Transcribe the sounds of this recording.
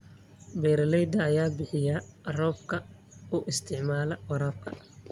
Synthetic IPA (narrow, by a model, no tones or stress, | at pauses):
bɛːɾɐlɛjd̪ɐːjaːbɪħɪjɐrɔːbkʰɐ | ʊʔɪst̪ʰɪʕmaːlɐwɐɾaːb̚kʰɐ